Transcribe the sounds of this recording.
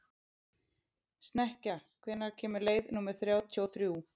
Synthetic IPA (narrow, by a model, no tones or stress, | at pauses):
st̪nɛhcakʰvɛːnːaɾcʰɛːmʏɾleːjðnuːmɛɾ̥θɾjaːwt̪ʰoːwθɾjuː